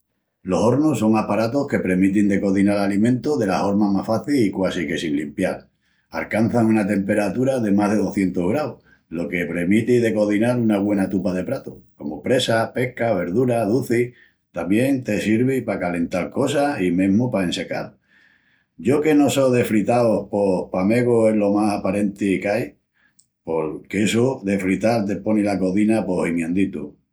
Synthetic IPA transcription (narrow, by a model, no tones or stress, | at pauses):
lo̞so̞ɾnuso̞ŋapaɾat̪o̞hke̞pɾe̞mit̪ind̪e̞ko̞ðinalalimẽnt̪oðe̞laho̞ɾmamahfaθiikwasike̞sinlimpjal | a̰lkan̟θaŋunat̪e̞mpe̞ɾat̪uɾaðe̞maɦðe̞ð̞o̞θje̞nt̪oɦɣɾaw | lo̞ke̞pɾe̞mit̪iðe̞ko̞ðinaɾunaβwe̞nat̪upaðe̞pɾat̪oko̞mopɾe̞sape̞hkaβ̞e̞ɾðuɾaðuθi | t̪amje̞ŋt̪e̞siɾβipakale̞nt̪alko̞saimẽɦmupaense̞ka̰l | ɟ͡ʝo̞ke̞no̞soðe̞fɾit̪aohpo̞hpame̞ɣoe̞lo̞masapaɾe̞nt̪ikaj | po̞lkeesoðe̞fɾit̪alt̪̬epo̞nilako̞θinapo̞simjẽnd̪it̪ṵ